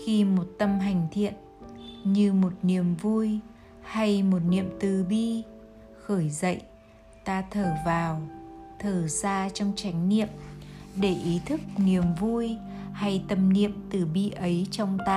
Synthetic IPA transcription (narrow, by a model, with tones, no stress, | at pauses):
xi˧mo˨˩t̚t̪ə˧mɦa˨˩jŋ̟t̪ʰḭ˧˨ən | ɲɨ˧mo˨˩t̚ni˨˩əmvu˧j | ha˧jmo˨˩t̚nḭ˧˨əmt̪ɨ˨˩ɓi˧ | xəː˧˩jzə̰˧˨j | t̪aː˧t̪ʰəː˧˩vaː˨˩wt̪ʰəː˧˩saː˧t͡ɕɔ˧wŋ͡mt͡ɕa˨˦jŋ̟nḭ˧˨əmɗe˧˩ʔi˨˦t̪ʰɨ˦˥k̚ni˨˩əmvu˧jha˧jt̪ə˧mnḭ˧˨əmt̪ɨ˨˩ɓi˧ʔə˨˦jt͡ɕɔ˧wŋ͡mt̪aː˧